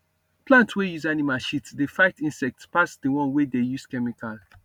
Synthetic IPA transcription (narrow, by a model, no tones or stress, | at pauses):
plãntwejuzanimalʃitsdefaɪtĩnsɛk̚tspasdiwɔ̃nwedejuskɛmikal